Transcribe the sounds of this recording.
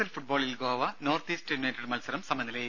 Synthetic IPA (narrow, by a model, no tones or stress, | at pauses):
ɐlfuʈ̚boːɭilɡoːʋɐnoːrt̪iːsʈɐjnɐːʈːɐɽmɐlsɐɾɐmsɐmɐnːilej